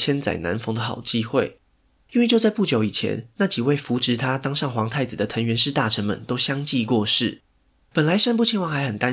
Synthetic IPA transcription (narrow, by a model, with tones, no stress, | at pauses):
t͡ɕʰjɛ˥nt͡sa̰˨˩ɪna̰˧˦˥nfɤ˧˥ŋd̪ə˨xɑ̰˨˩ʊt͡ɕi˥xwe˥˨ɪ | i˥nwe˥˧t͡ɕjo˥˧ʊt͡sa˥˧ɪpu˥˩t͡ɕjo˧˥ʊi˨˩t͡ɕʰjɛ̰˧˦nna˥˩t͡ɕi˨˩we˥˩ɪfu˧˥ʈ͡ʂɻ̩˧˥t̪ʰa˥t̪ɑ˥ŋʂɑ˥˩ŋxwɑ˧˥ŋt̪ʰa˥˩ɪt͡s̩˨˩d̪ə˦t̪ʰə˧˥ŋɥɛ˧˥nʂɻ̩˥˧t̪a˥˩ʈ͡ʂʰə˧˥nmə̰˨nt̪o˥ʊɕjɑ˥ŋt͡ɕi˥˧kwɔ˥˧ʂɻ̩˥˩ | pə˨˩nla˧˦ɪʂə˥npu˥˩t͡ɕʰi˧˥ŋwɑ˨˩ŋxa˧ɪxə˨˩nt̪a˦n